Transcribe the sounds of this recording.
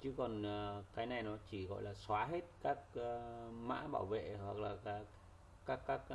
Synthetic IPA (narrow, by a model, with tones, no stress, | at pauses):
t͡ɕɨ˨˦kɔ˨˩nː˨˩kaː˨˦jna˨˩jnɔ˨˦t͡ɕi˧˩ɣɔ̰˧˨jlaː˨˩swaː˨˦ɦe˦˥t̚kaː˦˥k̚ːma̰ː˧˥ɓa̰ː˧˩wvḛ˧˨hwa˨˩k̚laː˨˩kaː˨˩ | kaː˦˥kːaː˦˥k̚